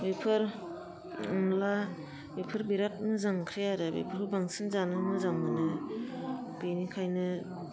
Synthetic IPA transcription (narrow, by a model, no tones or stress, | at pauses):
bipʰɯɾ | ɯmla | bipʰɯɾbiɾat̚mɯzaŋkʰɾejaɾɯbḭpʰɯɾhʰubaŋsɯnzanɯmɯzaŋmɯnɯ | b̥enikʰajnɯ